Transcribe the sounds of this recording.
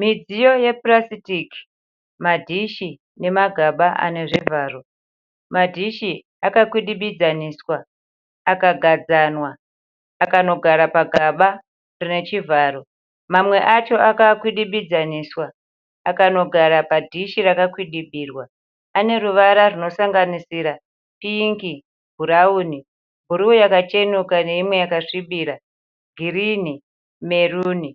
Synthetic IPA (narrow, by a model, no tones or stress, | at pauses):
mid͡zijo̞je̞prasitiki̥ | madʱiʃi | ne̞maɡʱaɓaʔa̰ne̞ʐivaːro̞ | madʱiʃi | akakwiɗiɓid͡zaniswaː | kaɡʱad͡zanwaː | kano̞ɡʱaɾapaɡʱaɓa | rine̞t͡ʃivaːro̞ | mamwe̞ʔat͡ʃo̞ʔakakwiɗiɓid͡zaniswa | akano̞ɡʱaɾapadʱiʃirakakwiɗiɓiːrwaː | ne̞ruʋaɾaruno̞saŋɡanisiɾa | piŋki | bʱuɾauːni | bʱuɾiujakat͡ʃe̞nukane̞imwe̞jakaʂiɓiːɾa | ɡʱirini | me̞ruːni